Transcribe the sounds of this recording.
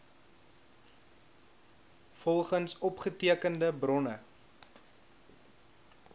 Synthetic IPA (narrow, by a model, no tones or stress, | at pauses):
fɔlˠχənsɔpχətiəkəndəbrɔnə